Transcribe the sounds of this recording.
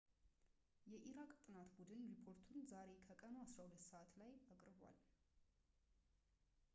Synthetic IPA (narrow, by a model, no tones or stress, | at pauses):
jɛʔiɾakʼt̪ʼɨnat̪bud̪ɨnɾipʰo̞ɾt̪ʰunzaɾe̞kʰəkʼənoasɾahulət̪ːsəʔat̪lajakʼɾɨba̰l